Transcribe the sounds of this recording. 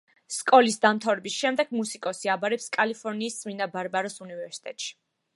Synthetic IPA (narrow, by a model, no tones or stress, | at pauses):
skʼɔlisd̪amt̪ʰavɾɛbisʃɛmd̪ɛɡ̥̚musikʼɔsiabaɾɛpskʼalipʰɔɾniːssʼminabaɾbaɾɔsunivɛɾsi̥t̪ʼɛt̪ʼʃi̥